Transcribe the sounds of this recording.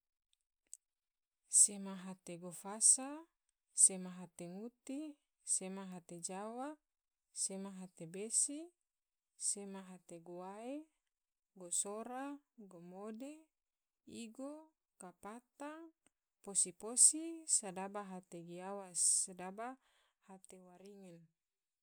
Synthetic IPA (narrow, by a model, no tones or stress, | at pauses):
semaɦat̪eɡofasa | semaɦat̪eŋut̪i | semaɦat̪ed͡ʒawa | semaɦat̪ebesi | semaɦat̪eɡowae | ɡosoɾaɡomode | iɡo | kapat̪aŋ | posiposisadabaɦat̪eɡiawasadaba | hat̪ewaɾiŋɛn